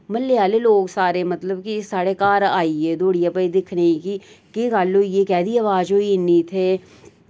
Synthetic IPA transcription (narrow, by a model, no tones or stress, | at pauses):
məlːeaːleloːɡsaːɾemət̪ləbkisaːɽekaːɾaːied̪oːɽijaːpəid̪ɪkʰneiki | kikaːlːojekɛːd̪iəʋaːd͡ʒoːiɪnːit̪ʰeː